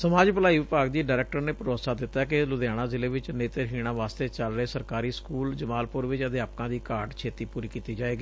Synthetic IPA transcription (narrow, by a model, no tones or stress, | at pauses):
səmaːd͡ʒpəlaːiːʋɪpaːɡd̪iːɖaːɾɛːk̚ʈəɾneːpʊɾoːsaːd̪ɪt̪ːaːkɪlʊd̪jaːɽ̃ãːzɪleːʋɪt͡ʃneːt̪əɾɦiːɽ̃ãːʋaːst̪eːt͡ʃəlɾəeːsəɾkaːɾiːskuːld͡ʒəmaːlpʊɾʋɪt͡ʃət̪eːaːpkãːd̪iːkaːɾʈt͡ʃʰeːt̪iːpuːɾiːkiːt̪iːd͡ʒaːeːɡiː